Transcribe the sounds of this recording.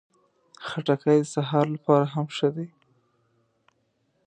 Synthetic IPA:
xaʈakajd̪əsaɦɑɾlapɑɾaɦamʃəd̪e

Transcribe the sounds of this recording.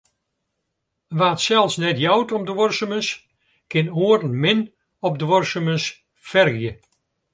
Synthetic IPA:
ʋaːtsɛlˠsnɛtjɔwtɔmdəʋɔrsəməs | kɪnoːərən̩mɪn | ɔp̚dəʋɔrsəməs | fɛrɣjə

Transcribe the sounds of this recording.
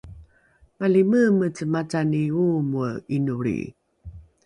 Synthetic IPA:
maliməmət͡səmataniumuəinuɭḭ

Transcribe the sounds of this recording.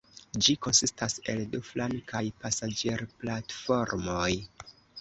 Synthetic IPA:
d͡ʒiko̞nsistase̞lduflaŋkajpasad͡ʒeɾplatfo̞ɾmoj

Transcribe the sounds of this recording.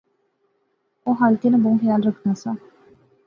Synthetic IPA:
oːɦaːlkeːnãːboũxɪjaːlɾəkʰnaːsãː

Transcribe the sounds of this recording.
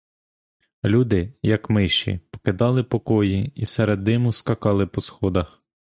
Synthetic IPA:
lʲud̪ɪjɐkmɪʃt͡ʃḭpɔ̥kɪd̪ɑlˠɪpɔkɔjiisɛɾed̪nɪmʊskɐkɑlˠɪpɔsxɔd̪ɐx

